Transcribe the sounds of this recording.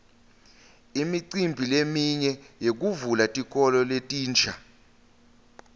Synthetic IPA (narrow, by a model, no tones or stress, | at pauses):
imiǀimbʱilemiɲɛjek̬uvulatʼik̬ʼɔlɔletʼiːnt͡ʃʰʼa